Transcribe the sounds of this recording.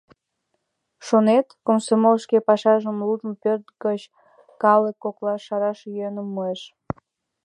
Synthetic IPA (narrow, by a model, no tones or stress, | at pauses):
ʃonet̪komsomolʃkepɑʃɑʒəmlud̪əmpørt̪̚ɡət͡ɕ | kɑlekːoklɑːɑɾɑʃjønəmːoeʃ